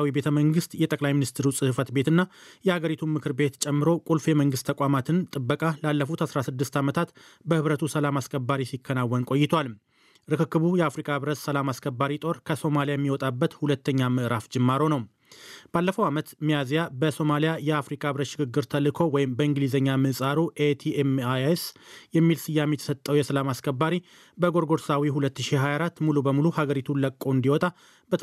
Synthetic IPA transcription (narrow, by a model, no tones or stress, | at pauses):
wibe̞t̪ʰəməŋɡɨst̪jɛt̪ʼəkʼlajminist̪ʰɨɾusʼɨhɨfət̪be̞t̪ɨnːajɛhaɡəɾit̪ʰumɨkʰɨɾbe̞t̪t͡ʃʼɛmːɨɾo̞kʼulfjɛməŋɡɨst̪ʰːəkʼamat̪ʰɨnt̪ʼɨbːəkʼalalːəfut̪hasɾasɨd̪ːɨst̪amət̪ʰat̪ | bəhɨβɾət̪ʰusəlamaskʰʼəbːaɾisikʰːənawːɔnkʼo̞jːɪt̪ʰwal | ɾɨkɨkːɨβujɛafɾikʼaβɾət̪səlamaskʰʼəbːaɾit̪ʼo̞ɾkʰəso̞malijajɛmːiwɔt̪ʼabːət̪hulət̪ʰːəɲːamɨʔɾafd͡ʒɨmːaɾo̞nəw | balːəfəwamət̪mijazijabəso̞malijajɛafɾikʼabɾət̪ʃɪɡɨɡːɨɾt̪ʰəlɨkʰo̞wɔjɪmbəɨŋɡɨlizəɲːamɨʔsʼaɾuʔet̪ʰiemaesjɛmːilsɨjːamet̪ʰə̥sət̪ʼːəwjɛsəlamaskʰəbːaɾi | bəɡo̞ɾɡo̞ɾsawiɦulət̪ːɨʃiɦajaɾat̪ːmulubəmuluhaɡəɾit̪ʰuləkʼːoɨnd̪iwɔt̪ʼa | bə